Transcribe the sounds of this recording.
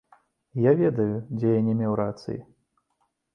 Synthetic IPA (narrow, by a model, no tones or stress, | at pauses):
javʲɛd̪ɐjud͡zʲɛjanʲɛmʲɛwɾat̪sɨ̰jḭ